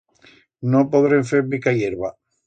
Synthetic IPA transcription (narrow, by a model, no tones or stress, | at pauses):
nõpoðɾeɱfeɾbikajeɾβa